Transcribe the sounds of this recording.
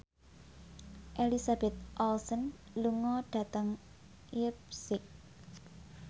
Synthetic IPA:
ʔelisab̥ɛt̪̚ʔɔlsən | luŋɔɖ̥a̤t̪əŋ | ip̚sɪk̚

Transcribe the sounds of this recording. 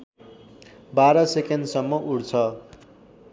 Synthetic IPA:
baɾʌsekendsʌmːʌʔuɽt͡sʰʌ

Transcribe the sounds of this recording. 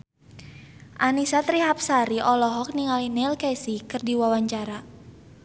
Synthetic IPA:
ʔanisat̪ɾiɦap̚saɾiʔɔlɔɦɔk̚niŋalinɛlkɛsikɨrdiwawaɲt͡ʃaɾa

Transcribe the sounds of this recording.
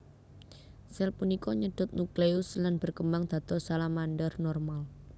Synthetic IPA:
sɛlpunikɔɲəɖ̥ʊt̪̚nukleʊslanb̥ərkəmbaŋd̪̥ä̤t̪ɔsalamandərnɔrmal

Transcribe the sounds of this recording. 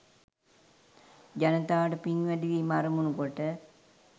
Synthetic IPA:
d͡ʒanət̪aːʈəpiŋʋæɖiʋimaɾəmunukoʈə

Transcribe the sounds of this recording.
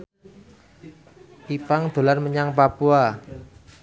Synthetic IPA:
ʔipaŋd̪̥o̤larməɲaŋpapua

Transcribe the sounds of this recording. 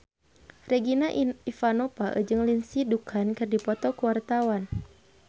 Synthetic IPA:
rɛɡinaʔifanɔpaʔə̰d͡ʒɨŋlinsidukʰankɨrdipɔt̪ɔkuwart̪awan

